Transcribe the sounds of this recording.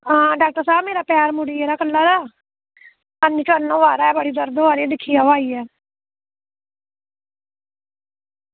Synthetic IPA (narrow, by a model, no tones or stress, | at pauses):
aːɖaːk̚ʈəɾsaːbmeːɾaːpaːɾmʊɽiːeːɾaːkəlːaːɾaː | ənːiːt͡ʃoənːõːʋaːɾaːɛːbəɽiːd̪əɾd̪oːaːɾed̪ɪkʰːiːaːʋaːiːɛː